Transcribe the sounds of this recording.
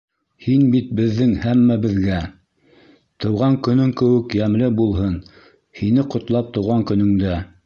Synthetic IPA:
hinbit̪̚bɘ̆ðːɘŋhæmːæbɘ̆ðɡæ | t̪ɤ̆wʁɑŋkɵ̆nɵŋkɘ̆wɘ̆kjæmlɘbulˠɦɤn | hinɘqŏt̪lˠɑp̚t̪ɤ̆wʁɑŋkɵ̆nɵ̆ŋd̪æ

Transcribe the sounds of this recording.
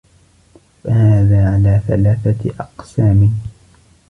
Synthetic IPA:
fahaːðaːʕalaːθalaːθaʔɑqsaːmɪ

